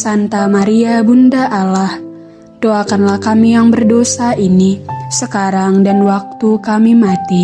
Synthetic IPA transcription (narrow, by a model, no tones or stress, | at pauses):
sant̪amaɾiabundaʔalah | doakanlahkamijaŋbərdosaʔinisəkaɾaŋdanwak̚t̪ukamimat̪i